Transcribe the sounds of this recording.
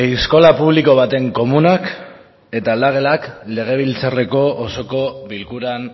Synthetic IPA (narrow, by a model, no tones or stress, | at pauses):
ejsko̞lapuβliko̞β̞at̪e̞ŋko̞munak | e̞t̪aːld̪aɣ̞e̞lakle̞ɣ̞e̞β̞ilt͡sare̞ko̞ːso̞ko̞βilkuɾan